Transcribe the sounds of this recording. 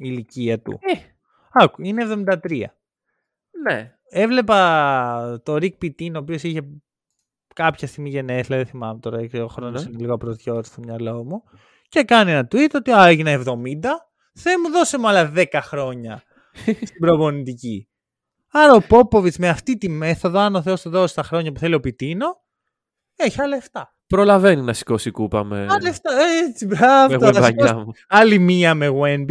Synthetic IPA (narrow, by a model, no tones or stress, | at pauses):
iiliciɐt̪ṵ | ɐkuineevðo̞mind̪ɐt̪ɾiɐ̰ | ne | e̞vle̞pɐ | t̪o̞ɾik̚pit̪inoːpio̞siçe̞ | kɐpçɐst̪iɣmiʝeneslɐðeθimɐmet̪o̞ɾɐkseɣoxɾo̞nosineliɣoɐpɾozʝo̞ɾisomɲɐlɐomu | ce̞kɐnienɐt̪wit̪ot̪iɐeʝinɐevðo̞mind̪ɐ | θemuðo̞semuɐlɐðekɐxɾo̞ɲɐ | st̪ibɾopo̞nit̪ici | ɐɾɐopo̞po̞vit͡smeɐft̪it̪ime̞θo̞ðoɐnoθe̞ost̪uðosi̥st̪ɐxɾo̞ɲɐpuθe̞lio̞pit̪ino̞ | eçiɐlɐeft̪ɐ | pɾo̞lɐveninɐsi̥ko̞sikupɐ̰mḛɐlɐeft̪ɐet͡sibɾɐvevɐɲoɐmuɐlimiɐmeɣwenbi